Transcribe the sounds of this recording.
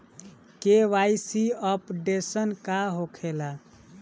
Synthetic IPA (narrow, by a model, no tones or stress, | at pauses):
keʋajsiəpɖesənkaɦokʰela